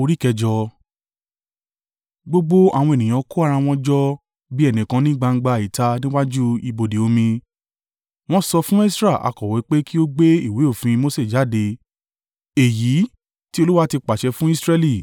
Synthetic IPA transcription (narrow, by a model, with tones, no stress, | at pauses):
o˧ɾi˦kɛ˧d͡ʒɔ˧ | ɡ͡bo˦ɡ͡bo˦a̰˦˨w̃ɔ̃˧e˨nĩ˨j̃ã˨˧ko˦a˦˨˧ɾa˧w̃ɔ̃˧d͡ʒɔ˦ | bi˦ɛ˦˨nĩ˨kã˧nĩ˦ɡ͡ba˧ŋ̩˦ɡ͡ba˧i˨ta˧nĩ˦wa˦d͡ʒu˦i˧bo˧˨de˨o˧mĩ˧ | w̃ɔ̃˦sɔ˧fũ˦e˦sɾa˦˨a̰˨˧kɔ˨wɛ˨˦k͡pe˦ki˦o˦ɡ͡be˦i˦˨we˨˦o˦˨fĩ˧ĩ˧mo˦se˦˨d͡ʒa˨˦de˧ | e˨ji˨˦ | ti˦o˧lu˦wa˦ti˧k͡pa˨ʃɛ˧fũ˦i˦sɾɛ˧li˦˨